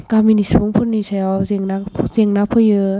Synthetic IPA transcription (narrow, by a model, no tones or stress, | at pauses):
kaminisbuŋpʰunisʰajɔziŋnazeŋnapʰɯjɯ